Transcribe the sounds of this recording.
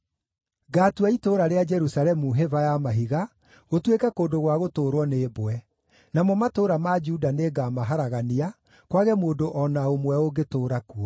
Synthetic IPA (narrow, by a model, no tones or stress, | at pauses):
ɡaːtuaitoːɾaɾead͡ʒɛɾusaɾɛmuɦevajamaɦiɣa | ɣotwekɛkoːndoɣwaɣotoːɾwɔneːboɛ | namɔmatoɾamad͡ʒudaneːɡamaɦaɾaɣania | kwaɣɛmoːndoʔɔnaomwɛoɡetoːɾakuɔ